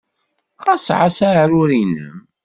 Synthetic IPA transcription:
qɑsʕasaɾʊɾinə̰m

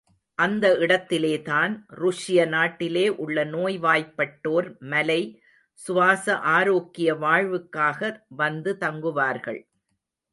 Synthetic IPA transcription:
ʔɐnd̪ɐɪɽɐt̪ːɪleːt̪aːnɾʊʂɪjɐnaːʈːɪleːʔʊɭːɐnoːjʋaːjpːɐʈːoːɾmɐlɐɪ | sʊʋaːsɐʔaːɾoːkːɪjɐʋaːɻʋɯkːaːɣɐʋɐnd̪ɯt̪ɐŋɡɯʋaːɾɣɐ̰ɭ

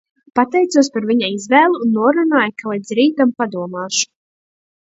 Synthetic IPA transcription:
pat̪ɛjt̪suɔspaɾviɲaizvɛːlˠunːuɔɾunaːjkalˠid̪sɾiːt̪ampad̪uɔmaːʃu̥

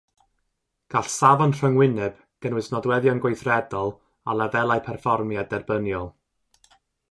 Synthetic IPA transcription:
ɡ̥aɬsavɔnr̥əŋwɪnɛb̥ | ɡ̥ənwɪsnɔdwɛðjɔnɡwejθrɛdɔlˠ | alˠɛðɛlˠajpʰɛrfɔrmjadɛrbənjɔlˠ

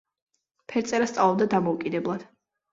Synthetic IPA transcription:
pʰɛɾt̪sʼɛɾast̪sʼalˠɔb̚d̪ad̪amɔukʼid̪ɛblˠad̪̥

